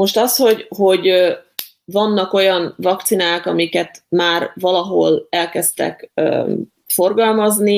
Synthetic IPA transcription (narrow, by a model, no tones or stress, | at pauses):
mo̞ʃt̪ɒsho̞ɟho̞ɟ | vɒnːɒko̞jɒnvɒkt̪sinaːkɒmikɛt̪maːrvɒlɒɦo̞̰lɛlkɛst̪ɛ̰kø̰ | fo̞rɡɒlmɒzni